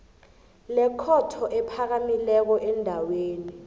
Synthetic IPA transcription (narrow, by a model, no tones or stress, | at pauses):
lɛkʰɔtʰɔʔɛpʰak̬amilɛk̬ɔʔɛndʱaweːni